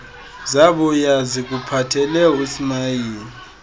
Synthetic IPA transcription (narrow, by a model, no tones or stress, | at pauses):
zaβɔjazik̬upʰatʰɛlɛusimajiːni